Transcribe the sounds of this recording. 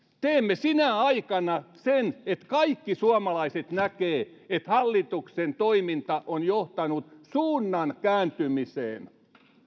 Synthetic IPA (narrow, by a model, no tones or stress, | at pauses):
t̪eːmːesinæɑikɑnɑsenet̪kɑikːisuɑmɑlɑiset̪nækeː | et̪hɑlːit̪uksent̪oimint̪ɑʔonjoht̪ɑnut̪suːnːɑnkæːnt̪ymisḛːn